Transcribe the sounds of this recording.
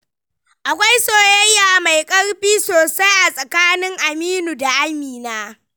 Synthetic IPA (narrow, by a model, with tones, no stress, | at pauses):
ʔa˨kʷa˦jsoː˨jɐ˦jːaː˨ma˨jkʼɐ˦rɸiː˦soː˨sa˦jʔa˨sʼɐ˨kaː˦nɪ˦ŋʔa˨miː˦nu˨da˨ʔa˦miː˨naː˦